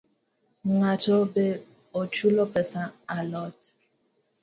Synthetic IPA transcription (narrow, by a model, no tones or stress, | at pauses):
ŋatɔbe | ot͡ʃulɔpɛsaalɔt